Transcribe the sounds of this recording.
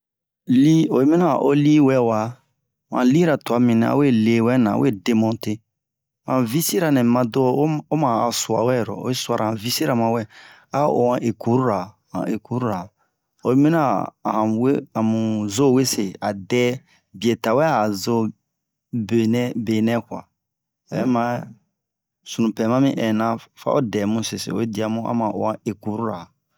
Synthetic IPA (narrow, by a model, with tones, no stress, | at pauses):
li˦o˨˦mĩ˦na˦˨ʔo˦li˦wɛ˦wa˨ | hã̰˨li˦ɾa˨tu˨a˨mĩ˨nɛ̃˨a̰˦we˦le˨wɛ˦nã̰˨˦we˦˨de˨mɔ̃˨nte˦˨ | ã˨vi˦si˦ɾa˨nɛ̃˨mã˨do˦o˦mãː˨su˨a̰˨wɛ˦˨ɾɔ̰˨o̰˨˦e˦su˨a˨ɾa˨ã˨vi˦si˦ɾa˨mã˨wɛ˦ | a˦o̰˨ã˨ʔe˨ku˦ɾu˦ɾa˨ | hã̰˨e˨ku˨˦ɾu˦ɾa˨ | o˨˦mĩ˦na˦˨hã˨we˦ã˨mũ˨zo˦˨we˦se˨a˨dɛ˦ | bi˨e˨ta˨wɛ˦a˨zo˦ | be˨nɛ˦be˨nɛ̃˦kã̰˨ | ɛ˦mã˦ | su˨nũ˨pɛ˨mã˦mĩ˦ʔɛ˨nã˦fa̰˦o̰˦dɛ˨mũ˦se˨sḛ˨o̰˨˦e˦di˨˦a˦mũ˦a̰˦mã˨o̰˨ã˨e˨ku˨˦ɾu˦ɾa˨